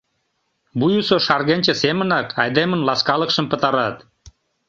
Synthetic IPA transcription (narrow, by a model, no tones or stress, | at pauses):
bujusoʃɑrɣenʲt͡ɕə̆semənɑkʰɑjd̪emənlɑskɑləkʃəmpət̪ɑɾɑt̪